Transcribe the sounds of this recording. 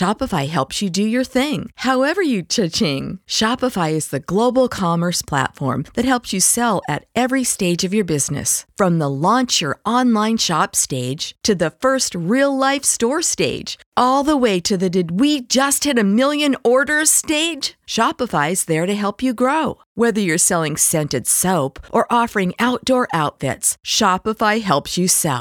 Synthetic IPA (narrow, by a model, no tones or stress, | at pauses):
ʃɑpəfaɪɦɛlˠpsjɨdɨjə˞θɪ̃ŋhaʊɛvə˞jɨt͡ʃʰɪt͡ʃɪ̃ŋʃɑpəfaɪɨzðɨɡloʊbl̩ˠkʰɑmə˞spʰl̥æ̰tfɔ̰ɹmðɨt̚ɦɛlˠpsjɨsɛlˠɨ̰ɾɛvɹisteɪd͡ʒʌvjə˞bɪznɨ̰sfɹʌ̃mðəlɑ̃nt͡ʃjə̰˞ʔɑ̃nlãɪ̃nʃɑpsteɪd̥ʒ̥tʰɨðɨfɜ˞st̚ɹilˠlaɪfstɔɹsteɪd̥d͡ʒ̥ | ʔɔlˠðəweɪɾɨðɨdɨd̚wid͡ʒʌst̚hɨɾɨmɪlˠjɨ̃nɔɹɾə˞steɪd̥ʒ̥ʃɑpəfaɪzðə˞ɾɨɦɛlˠpʰjɨɡɹoʊ | wɛðə˞jə˞sɛlˠɪ̃ŋsɛ̃ntɨd̥soʊpʔə˞ʔɔfə˞ɪ̃ŋaʊt̚d̥ɔɹʔaʊtfɪ̰tsʃɑpəfaɪɦɛlˠpsjɨsɛ̰lˠ